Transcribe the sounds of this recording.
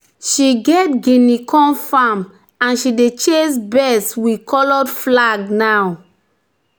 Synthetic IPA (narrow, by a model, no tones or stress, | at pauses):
ʃiɡɛt̚ɡinikʰɔ̃nfam | ãnʃidet͡ʃesbɛswikʰɔlɔdflaɡnaw